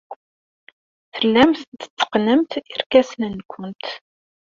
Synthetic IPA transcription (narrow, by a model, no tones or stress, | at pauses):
θəlːæmθd̪ə̥t͡sːə̥qnəmt̪iɾkæsnənkʷʰːənt̪